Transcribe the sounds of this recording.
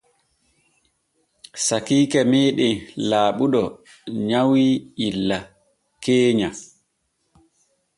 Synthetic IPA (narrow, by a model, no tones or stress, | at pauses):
sakiːkɛmɛːɗɛlaːɓuɗɔ | ɲawiilːa | keːɲa